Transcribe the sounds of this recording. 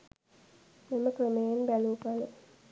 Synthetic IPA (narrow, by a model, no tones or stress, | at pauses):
meməkrəmejenbæluːpalə